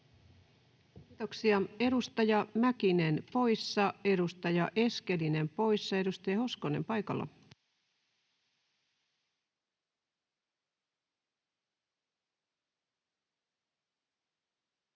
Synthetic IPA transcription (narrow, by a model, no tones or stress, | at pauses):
kiːt̪oksiɑe̞ɾust̪ɑjɑmækinenpo̞jsːɑe̞ɾust̪ɑjɑʔe̞ske̞line̞mpo̞isːɑe̞ɾust̪ɑjɑhoskone̞mpɑjkɑ̰lːɑ̰